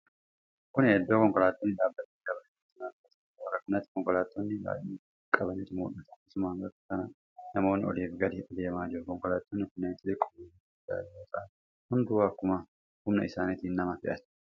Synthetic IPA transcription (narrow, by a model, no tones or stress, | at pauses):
kʊnhɛd̪ːoːkɔŋkɔlaːt̪ːonːɪᶑ̪aːbːɐt̪ːɪɡɐbɐn | t̪ːɪnaːɐt̪ɐ | wɐɾɐkʊnɐt̪ːɪ̥kɔŋkɔlaːt̪ːɔnːɪba̰ːʔiː | kʼɐbɐnit̪ɪmṵːʔɐt̪ɐ̥kːsʊmaːŋɡɐɾkɐnɐ | nɐmo̞ːnːɪɔliːfɡɐd̪ɪɔd̪eːmaːd͡ʒɪɾʊkɔŋkɔlaːt̪ːɔnːɪkʊnːeːnt̪ːɪd̪ɪkʼːɔ̥mɛn | ɐd̪a̰ːd͡ʒɪɾot̪ʼaːn | hʊnd̪ʊwaːkːʊma | hʊmnɐɪsaːnɪt̪iːnːɐmɐfɪʔɐt̪